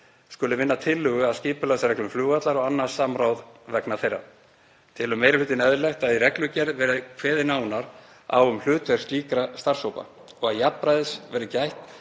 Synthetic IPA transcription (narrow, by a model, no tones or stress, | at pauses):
skʏlɪvɪnːat̪ʰɪlːʏɣʏaðsciːpʏlasaɾɛklʏmflʏːɣat̪laɾɔɣanːḁsaːmɾawðvɛknaθejra̰ | t̪ʰɪlʏmːeːjɾɪlʏːt̪ɪnɛðlɛht̪aðirɛklʏcɛɾðvɛːɾɪkʰvɛːðɪnaːwnaɾ̥ | a̰wʏml̥ʏːt̪vɛɾ̥st̪liːkɾast̪ar̥shoːwpa̰ | ɔɣaðjappɾajðɪsvɛɾɪcajht̪